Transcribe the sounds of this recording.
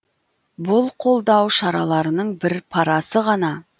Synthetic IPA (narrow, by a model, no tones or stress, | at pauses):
bʊlˠqʰo̞lˠd̪ɑwʃɑɾɑlˠɑɾənəɴbɪɾpʰɑɾɑsəʁɑnɑ